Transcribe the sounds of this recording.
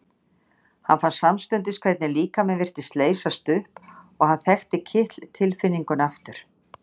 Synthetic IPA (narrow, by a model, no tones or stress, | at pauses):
hanfansamst̪ʏnt̪̬ɪskʰvɛjt̪nɪliːkamɛðvɪr̥t̪ɪst̪leːjsast̪ʏhp | ɔɣhanθɛxt̪ɪcʰɪht̪lt̪ʰɪlfɪnːiŋkʏnaft̪ʏɾ̥